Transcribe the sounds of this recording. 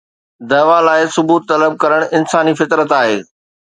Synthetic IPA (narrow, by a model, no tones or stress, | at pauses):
d̪ɐːʋalaːɪsʊbuːt̪ːɐləb̚kɐɾəɽ̃ʔɪnsaːnifɪt̪ɾət̪aːɦeː